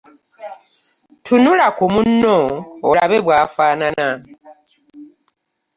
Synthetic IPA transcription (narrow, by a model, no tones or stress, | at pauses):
tʰunulakumunːoolaβeβwaːfaːnana